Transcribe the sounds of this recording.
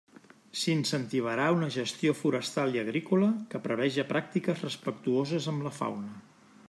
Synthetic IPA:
sinsənt̪iβ̞əɾaunəʒəst̪iofuɾəst̪alˠiəɣɾikuləkəpɾəβ̞ɛʒəpɾak̚t̪ikəzrəspəkt̪uozəzəmbləfa̰wnə

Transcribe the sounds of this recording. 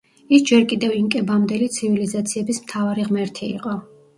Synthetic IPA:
isd͡ʒɛɾkʼid̪ɛviŋkʼɛbamd̪ɛlit̪sʰivilizat̪sʰiɛbismt̪ʰavaɾiʁmɛɾt̪ʰiḭqʼɔ

